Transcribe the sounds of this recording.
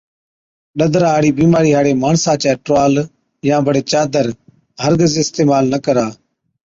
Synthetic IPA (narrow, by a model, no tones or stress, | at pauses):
ɗəd̪ɾaːɦɽiːbiːmaːɾiːɦaːɽeːmaːɳsãːt͡ʃaːʈɾaːl | jãːbəɽeːt͡ʃaːd̪əɾ | ɦəɾɡəzɪst̪eːmaːlnəkəɾaː